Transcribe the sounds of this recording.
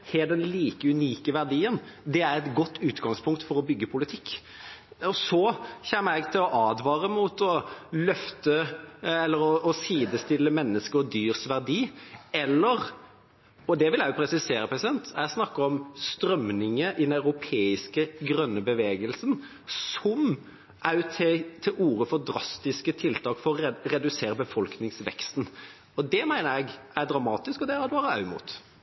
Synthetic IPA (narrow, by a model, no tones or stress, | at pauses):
hɛːd̪ɛnliːkəʉniːkəʋæʁd̪iːənd̪ɛæɾɛt̪ɡɔt̪ːʉːt̪ɡɑŋspʰʊŋk̚t̪fɔɾɔbʏɡːəpʰʊlɪt̪ʰɪkː | ɔsɔçɛːmːəɾæɡt̪ʰɪlɔʔɑːd̪ʋɑːɾəmut̪ɔlœft̪əɛlːəɾɔɔsiːd̪əst̪ɪlːəmɛnːəskəɾɔd̪yːɾsʋæʁd̪iːɛlːəɾ | ɔd̪ɛʋɪljæjʊpʰɾɛsɪseːɾəpʰɾɛsɪd̪ɛnt̪ʰæsnɑkːəɾɔmst̪ɾœmnɪŋəʔɪd̪ɛnɑʉɾʊpʰeːɪskəɡɾœnːəbəʋeːɡəlsən | sɔm | ʔæt̪ʰɛt̪ʰːɪlʔuːɾəfɔd̪ɾɑst̪ɪskət̪ʰɪlt̪ʰɑːkfɔɾɔɾɛd̪ʉseːɾəbəfɔlknɪŋsʋɛ̰kst̪n̩ | ɔd̪ɛmæɪnəɾæɡæɾd̪ɾɑmɑːt̪ɪskɔd̪ɛæɾɑt̪ʋɑːɾəɑʉmṵːt̪